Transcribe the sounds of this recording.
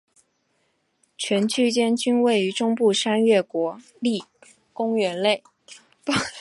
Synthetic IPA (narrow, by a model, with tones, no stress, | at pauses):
t͡ɕʰɥɛ˧˥nt͡ɕʰy˥t͡ɕjɛ˥nt͡ɕy˥nwe˥˩ɪy˧˥ʈ͡ʂʊ˥ŋpu˥˩ʂa˥nɥɛ˥˩kwɔ˧˥ | li˥˩ | kʊ˥ŋɥɛ˧˥nle˥˩ɪ | p